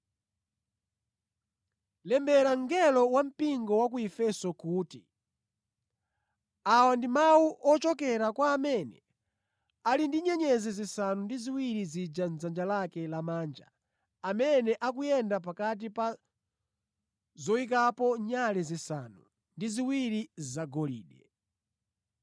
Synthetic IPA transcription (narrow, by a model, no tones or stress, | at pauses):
lɛmbɛɾaŋɡɛlɔwam̩piŋɡɔwak̬uifɛsɔkuːti | awandimawuʔɔt͡ʃɔkɛɾakwaːmɛnɛ | alindiɲɛɲɛzɛzisanundiziwiɾizid͡ʒanzand͡ʒalakɛlamaːnd͡ʒa̰ | amɛnɛʔak̬ujɛndap̬akat̬ipa | zɔik̬apɔɲalɛzisanu | ndiziwiɾizaɡɔlḭːɗɛ